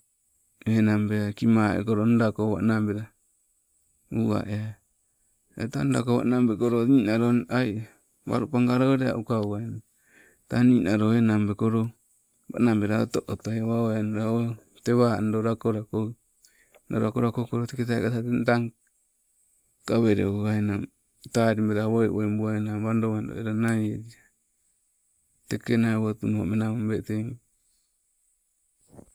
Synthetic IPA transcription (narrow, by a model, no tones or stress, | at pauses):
enambeakimaḛkoɾonɾakoβa̰nambeɾa | ua̰ʔea | ḛtanɾa̰koβa̰ʔnambekoɾoninaɾonaj | βa̰ɾupaŋɡaɾoɾea̰ʔukaua | taninaɾoenambekoɾo | βa̰nambeɾaotoʔot̪oaβaoanɾao | teβandoɾakoɾako | noɾɾakoɾakokoɾoteket̬a̰kataentaŋ | kaβeɾḛoɡaena | taɾimbeɾaβoeʔwoembuaenamβandoβando̰eɾanajeɾia | tekenaeβotumomenaombeteŋ